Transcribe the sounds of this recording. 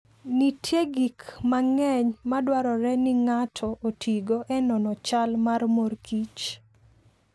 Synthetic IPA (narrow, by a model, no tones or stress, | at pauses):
nitʰjeɡikmaŋɛɲmadwaɾɔɾɛnɪŋatʰɔʔotʰiɡoʔɛnɔnɔt͡ʃalmarmorkit͡ʃ